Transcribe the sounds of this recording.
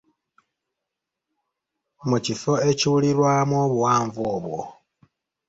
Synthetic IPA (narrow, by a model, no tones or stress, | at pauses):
mucifoeciwulilwamoβuwaːɱvoːβwo̰